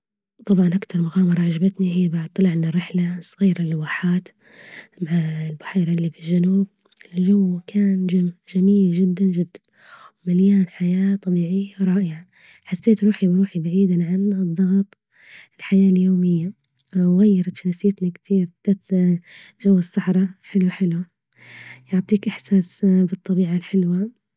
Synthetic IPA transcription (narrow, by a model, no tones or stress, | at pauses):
t̪ˤɑbʕɑnʔakt̪ʰɑɾˤmʊɣaːmɑɾˤɑʕaʒabat̪nihɪjːabat̪ˤːɑlɪʕmɪnɪrːɪħlasˤɣiːɾanɪlwaːħaːt̪ | maʕalbaħiːɾaʔlːifɪlʒanuːb̚ | ɪlʒawːkʰaːnd͡ʒad͡ʒamiːld͡ʒɪd̪ːand͡ʒɪd̪ːan | wmaljaːnħajaːt̪ˤɑbiːʕijːawɾˤɑːʔɪʕa | ħasːeːt̪ɾuːħibɾuːħibaʕiːd̪aʕanɨd̪ˤːɑɣt̪ˤ | ɪlħajaːljoːmɪjːa | wɣajːɑɾˤɑt̪ʃnasjɪt̪nikt̪ʰiːɾbd̪̥aːt̪ | ʒawːɪsːɑħɾˤɑħɪlwħɪlwa | jʊʕt̪ˤiːkʔɪħsaːsbɨt̪ˤːɑbiːʕalħɪlwa